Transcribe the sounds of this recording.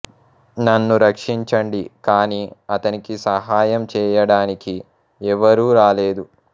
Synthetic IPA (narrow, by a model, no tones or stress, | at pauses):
nɐnːuɾɐkʂiɲt͡ʃɐɳɖikaːniːɐt̪ɐnikisɐɦaːjɐmt͡ʃɛːjɐɽaːniki | ɛʋɐɾuːɾaːleːd̪u